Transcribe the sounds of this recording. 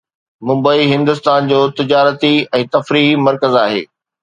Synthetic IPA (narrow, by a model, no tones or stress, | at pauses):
mʊ̃mbəiɦɪ̃nd̪ʊst̪aːnd͡ʑoːt̪ɪd͡ʑaːɾət̪iɛ̃ːt̪ɐfɾiːɦimɐɾkəzaːɦḛː